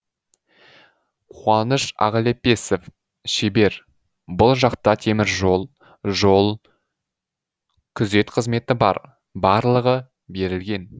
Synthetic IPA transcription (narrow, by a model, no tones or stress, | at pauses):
qʰuɑnəʃɑ̰ʁəlepe̞sef | ʃebe̞ɾ | bʊlˠʒɑqt̪ɑt̪ʰe̞mɪɾʒo̞lˠ | ʒo̞lˠ | kʲʰʏze̞t̪qʰəzme̞t̪ɪbɑ̰ɾ | bɑɾlˠəʁə | be̞ɾɪlɡʲe̞n